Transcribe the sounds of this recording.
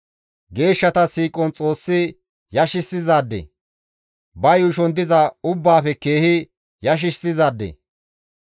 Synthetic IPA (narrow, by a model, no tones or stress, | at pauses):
ɡe̞ːʃːɐt̪ɐsiːkʼɔnt͡sʼo̞ːsːɪ | jɐʃɪsːɪzaːd̪ːḛ | bɐjʊʃɔnd̪ɪzɐʊbːaːfɛke̞ːhɪ | jɐʃ̬ɪsɪzaːd̪ːḛ